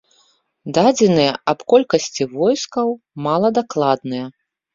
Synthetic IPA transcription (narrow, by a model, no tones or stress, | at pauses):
d̪ad͡zʲɛnɨjɐɐpkɔlʲkɐsʲt͡sʲivɔjskɐw | malˠɐd̪aklˠad̪̚nɨjɐ